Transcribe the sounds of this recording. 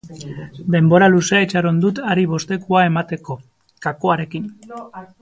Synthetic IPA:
d̪e̞mbo̞ɾaluseet͡ʃaɾo̞nd̪ut̪aɾiβ̞o̞st̪e̞kuae̞mat̪e̞ko̞ | kakoaɾe̞kin

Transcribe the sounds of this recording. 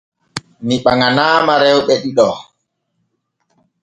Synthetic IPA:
niɓaŋanaːmaɾɛwɓɛɗiɗɔ

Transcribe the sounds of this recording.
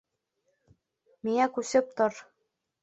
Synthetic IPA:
miŋækusɘ̆p̚t̪oɾ

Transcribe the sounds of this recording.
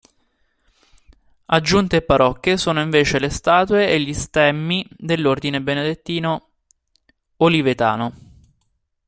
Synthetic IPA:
ad͡ʒːunt̪eːpːaɾɔkːesoːnoiɱveːt͡ʃelest̪aːt̪weeʎːist̪ɛmːid̪elːord̪inebened̪et̪ːiːno | olivet̪a̰ːno

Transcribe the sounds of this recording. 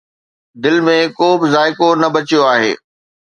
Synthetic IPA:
d̪ɪlmẽkoːbɪzaːɪkonɐbɐt͡ɕijoaːɦḛː

